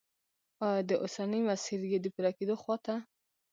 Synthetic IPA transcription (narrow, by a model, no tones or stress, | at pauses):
ɑd̪əʔosanəmasiɾɡed̪əpuɾɑked̪oxwɑt̪a